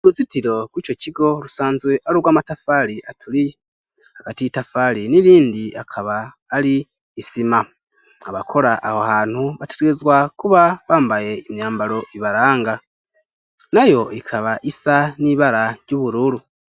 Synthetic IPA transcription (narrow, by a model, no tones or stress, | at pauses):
ɾuzitiɾo̞kwiːco̞ciɡo̞lusaːnzweʔaɾuɾwaːmatafaliʔatʰuli | haɡ̥atiitafaliniɾiːndiakʰaβaː | liː | sima | aβakʰo̞ɾaʔːhohaːn̥huβateɾezwakuβaβaːmbaje̞imjaːmbaɾo̞ʔiβaɾaːŋɡa | najo̞ikʰaβaʔisaniβaɾaɟuːβuɾuɾu